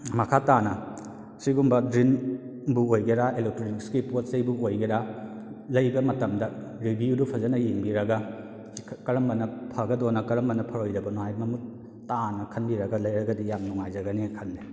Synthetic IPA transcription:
mɐkʰatanɐ | siɡumbɐdɾinbuojɡeɾaelek̚toɾikskipot̚sejbuojɡeɾa | lɐjbɐmɐtɐmdɐ | ɾibijudupʰɐzɐnɐjiŋbiɾɐɡɐ | kɐɾɐmbɐnɐpʰɐɡɐdɔnɐkɐɾɐmɐnɐpʰɐɾojdɐbɐnuhajmɐmut̚ | tanɐkʰɐnbiɾɐɡɐlɐjɾɐɡɐdijamnuŋajzɐɡɐnekʰɐnːe

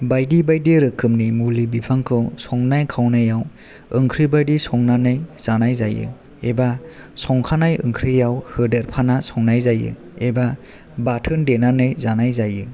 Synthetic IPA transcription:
bajdibajdiɾɯkʰːɯmnimulibipʰaŋkʰɯwsɔŋnajkʰawnajaw | ɯŋkʰɾibajdisɔŋnanɯjz̥anajzajɯ̰ | eba | sɔŋkʰanajɯ̰ŋkʰɾijawhɯdeɾpʰanasɔŋnajzajɯ̰ | eba | batʰɯndenanɯjzanajzajɯ

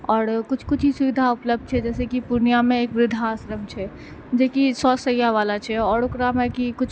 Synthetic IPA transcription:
ɔːɾkʊt͡ʃʰkʊt͡ʃʰɦisʊʋid̪ʱaʊpləb̚d̪̚t͡ʃʰɛd͡ʒɛːsekipʊɾnijamẽeːkʋɾɪd̪ʱaːsɾəmt͡ʃʰɛ | d͡ʒekisɔːsəjaʋaːlat͡ʃʰɛɔːɾokɾamẽkikʊt͡ʃʰ

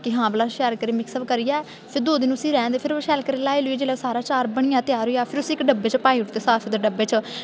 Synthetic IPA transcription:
kɪɦãːbəlãːʃɛːlkəɾeːmɪksəbkəɾɪjaː | pʰɪɾd̪oːd̪ɪñːəsĩːɾɛ̃ːd̪eːpʰɪɾʃɛːlkəɾeːlaːiːlʊiːd͡ʒeːlɛːsaːɾaːt͡ʃaːɾbəɽ̃ɪjãːt̪ɪjaːɾoijaːpʰɪɾʊsĩːɪkɖəbːeːt͡ʃpaːiːʊʈt̪eːsaːpʰːd̪eɖəbeːt͡ʃ

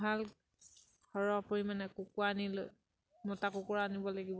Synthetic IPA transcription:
al | kʰɔɹɔapɔɹimanɛkʊkʊaniloj | mɔtakʊkʊɹaanibɔlaɡibɔ

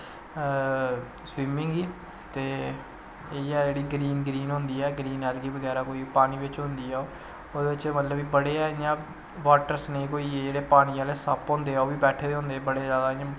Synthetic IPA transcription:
swiːmɪ̃ŋɡiː | t̪eː | eːɛːd͡ʒeːɽiːɡɾiːnɡɾiːnɦʊ̃nd̪iːɛːɡɾiːnɛːlɡiːʋəɡɛːɾaːkoːiːpaːniːʋɪt͡ʃɦʊ̃nd̪iːɛːoː | oːd̪eːɪt͡ʃmət̪ləbiːbəɽeːɛːɪjãː | ʋaːʈəɾsneːkoːiːd͡ʒeːɽeːpaːñiːaːleːsəpɦõːnd̪eːaoːʋiːbɛːʈʰeːd̪eɦʊ̃nd̪eːbəɽeːzaːd̪aːɪjãː

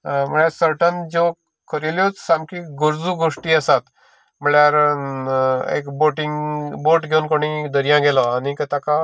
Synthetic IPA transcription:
m̤əɭjasəɾʈənd͡ʑo | kʰəɾiljot͡ssamkiɡuɾd͡zuɡoʂʈiəsat̪ | məɭjaɾ | ḛkboʈiŋboʈɡʱeunkoɽ̃id̪əɾijãɡelɔanikət̪aka

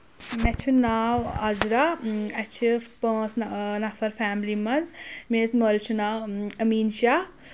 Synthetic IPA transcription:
mɛt͡ʃʰunaːwɐzɾaɐt͡ʃʰipə̃ːsnnɐfʰɐɾfaːmlimɐzmesməːlt͡ʃʰunaːwɐmiːnʃaː

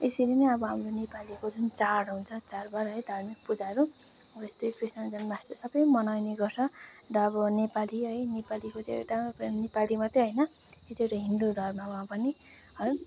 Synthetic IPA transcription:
esilenʌʌbʌɦamronepalikod͡zunt͡saɽɦũnt͡sʰʌt͡sarbaɾɦʌjd̪ʱarmik̚pud͡zaɾu | ʌbʌest̪ejkrisnʌd͡zʌnbast̪ʌsʌbʌjmʌnajneɡʌrt͡sʰʌ | ʈaːbʌnepaliɦʌjnepalikot͡seḛt̪anepalimat̪eɦʌjnʌ | eseʈoɦind̪ud̪ʱʌrmawapʌni | ɦʌj

